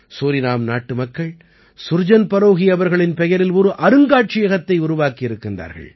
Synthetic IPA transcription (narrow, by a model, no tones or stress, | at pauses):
soːɾɪnaːmnaːʈːɯmɐkːɐɭ | sʊɾd͡ʒɐnpɐɾoːɣɪjɐʋɐɾɣɐɭɪnpɛjɐɾɪlɔɾɯʔɐɾɯŋɡaːʈ̚t͡ʃɪjɐɣɐt̪ːɐɪʊɾʊʋaːkɪɪɾɯkːɪndra̰ːɾɣɐ̰ɭ